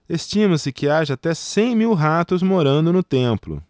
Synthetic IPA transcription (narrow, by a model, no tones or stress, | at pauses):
est͡ʃĩmɐ̃sɪkɪaʒɐat̪ɛsẽj̃miwɦat̪ʊzmoɾɐ̃nd̪ʊnʊt̪ẽplʊ̰